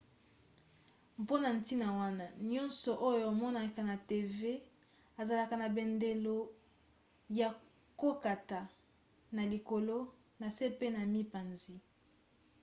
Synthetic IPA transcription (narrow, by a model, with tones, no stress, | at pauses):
mpo˦na˨n˨ti˦na˨wa˦na˦ɲɔ˦nsɔ˨ʔo˦jo˨a˨mɔ˦na˨ka˨na˨te˨ve˦ | a˨za˨la˨ka˨na˨be˨nde˨lo˦ | ja˨ | ko˦ka˨ta˨ | na˨li˨ko˨lo˦ | na˨se˦pe˦na˨mi˦pa˨nzi˦